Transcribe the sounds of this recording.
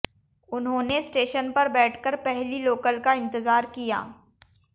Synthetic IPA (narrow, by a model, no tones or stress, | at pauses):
ʊnɦõːnesʈeːʃənpɐɾbɛːʈʰkəɾpɛɦliloːkəlkaɪ̃nt̪ɪzaːɾkija̰ː